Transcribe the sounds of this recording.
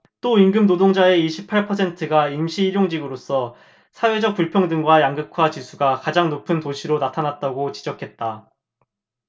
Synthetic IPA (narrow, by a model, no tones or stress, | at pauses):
t͈oiŋɡɯmdodoŋd͡ʑae̞iɕʰipʰaɭpʰʌsʰe̞ntʰɯɡaimɕʰiːɾjoŋd͡ʑiɡɯɾos͈ʰʌ | sʰawe̞d͡ʑʌk̚p͈uɭpʰjʌŋdɯŋɡwajaŋɡɯkʰwat͡ɕisʰuɡakad͡ʑaŋnopʰɯntoɕʰiɾonatʰanat̚t͈aɡot͡ɕid͡ʑʌkʰe̞t̚t͈a